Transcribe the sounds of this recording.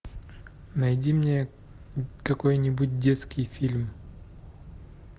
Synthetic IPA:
nɐjdʲimnʲe | kɐko̞jnʲɪbut̚ʲdʲet̪skʲɪjfʲilʲm

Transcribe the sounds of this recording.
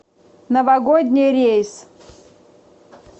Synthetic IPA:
nəvɐɡod̪ʲnʲɪjɾʲejs

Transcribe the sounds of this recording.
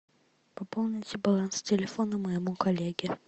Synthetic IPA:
pɐpolˠnʲɪtʲɪbɐlˠanstʲɪlʲɪfonəmɐjɪmukɐlʲeɡʲɪ

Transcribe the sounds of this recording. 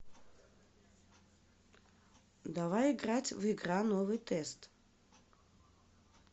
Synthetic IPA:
d̪avajɪɡratʲvɪɡranovɨjt̪ɛst̪

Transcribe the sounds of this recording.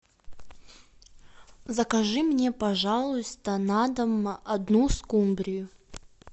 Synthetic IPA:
zɐkɐʐɨmnʲepɐʐalˠʊst̪ənad̪əmʔɐd̪nuskumbɾʲɪjʊ

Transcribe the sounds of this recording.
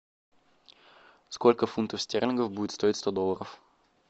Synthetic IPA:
skolʲkəfunt̪əfsʲtʲernʲɪnɡəfbudʲɪt̪st̪o̞ɪtʲst̪o̞d̪olˠəɾəf

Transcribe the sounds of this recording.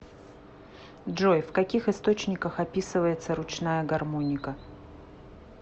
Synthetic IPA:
dʐo̞jfkɐkʲixɨst̪o̞t͡ɕnʲɪkəxɐpʲisɨvəjɪt̪səɾʊt͡ɕnajəɡɐrmo̞nʲɪkə

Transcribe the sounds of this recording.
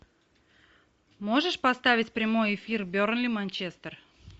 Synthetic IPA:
moʐəʂpɐst̪avʲɪtʲpɾʲɪmo̞jɪfʲirbʲoɾnlʲimanʲt͡ɕest̪ər

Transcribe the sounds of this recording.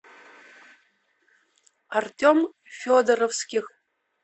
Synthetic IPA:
artʲom | fʲod̪əɾofskʲix

